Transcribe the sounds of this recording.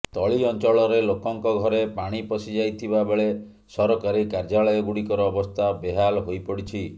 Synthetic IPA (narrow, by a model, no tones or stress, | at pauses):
t̪ɔɭiɔnt͡ʃɔɭɔɾelokɔŋkɔɡʱɔɾepaɽ̃ipɔsid͡ʒajt̪ʰibabeɭe | sɔɾɔkaɾikaɾd͡ʒaɭɔjɔɡuɽikɔɾɔːbɔst̪ʰabeɦalɦojpɔɽit͡ʃʰi